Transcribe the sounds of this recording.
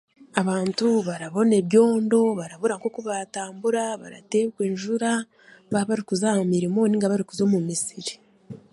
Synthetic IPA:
aβaːntuβaɾaβo̞neβjo̞ːndo̞βaɾaβuɾaŋkokuβataːmbuɾaβa̰ɾa̰te̞βɡweːnʒuɾa | βaβaɾikuzaːmumiɾimo̞niŋɡaβaɾikuzo̞mumisiɾi̥

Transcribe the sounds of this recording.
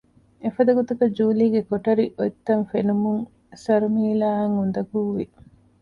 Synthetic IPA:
efɐd̪ɐɡot̪ukɐd͡ʒuːliːɡekoʈɐɾiʔoit̪ːɐnfenumuŋ | sɐɾumiːlaːɐŋund̪ɐɡuːʋi

